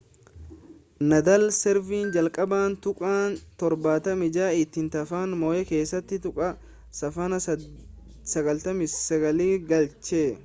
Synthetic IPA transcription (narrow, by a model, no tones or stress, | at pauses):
nɐd̪ɐlsɛɾviːnd͡ʒɐlkʼɐbaːnt̪ʊkʼaːnt̪ɔɾbaːt̪ɐmɪd͡ʒaːɪt̪ːɪnt̪ɐfaːnmoːʔɛke̞ːsːɐt̪ːɪt̪ʊkʼɐ | sɐfɐnɐ | sɐɡɐlt̪ɐmɪssɐɡɐliːɡɐlt͡ʃeː